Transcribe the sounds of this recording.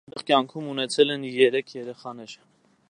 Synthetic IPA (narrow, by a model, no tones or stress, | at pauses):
ʁkjɑŋkʰumunɛt͡sʰɛlɛnjɛɾɛkʰjɛɾɛχɑnɛɾ